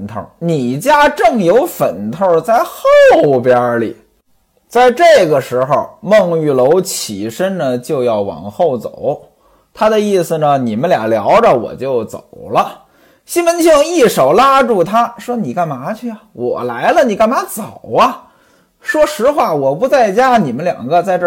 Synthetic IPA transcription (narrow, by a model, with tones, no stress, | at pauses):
nt̪ʰə̰˥˩ni˨˩t͡ɕja˥ʈ͡ʂɤ˥˩ŋjo˧˥ʊfə˨˩nt̪ʰə˥˧t͡sa˥˧ɪxo˥˩ʊpjə˥lḭ˨˩˦ | t͡sa˥˧ɪʈ͡ʂɤ˥˩ɡə˩ʂɻ̩˧˥xo˥˧ʊmɤ˥˧ŋy˥˩lo˧˥ʊt͡ɕʰi˨˩ʂə˥nnə˨t͡ɕjo˥˧ʊjɑ˥˩ʊwɑ̰˨˩ŋxo˥˩ʊt͡so̰˨˩˦ʊ | t̪ʰa˥d̪ə˨˧i˥˩sɹ̩˩nə˩ni˨˩mə˦nljɑ̰˨˩ljɑ˧˥ʊʈ͡ʂə˧wɔ̰˨˩t͡ɕjo˥˩ʊt͡so̰˨˩ʊlə˦ | ɕi˥nwə˧˥nt͡ɕʰi˥˧ŋi˥˩ʂo˨˩ʊla˥ʈ͡ʂu˥˩t̪ʰa˥ʂwɔ˥ni˨˩ka˥˩nma˧˥t͡ɕʰy˥˩ɐ˨wɔ̰˨˩la˧˥ɪlə˧ni˨˩ka˥˩nma˧˥t͡so˨˩ʊɐ˧ | ʂwɔ˥ʂɻ̩˧˥xwa˥˩wɔ˨˩pu˧˥t͡sa˥˩ɪt͡ɕja˥ni˨˩mə˦nljɑ̰˨˩ŋɡə˧t͡sa˥˧ɪʈ͡ʂɤ˥˧˩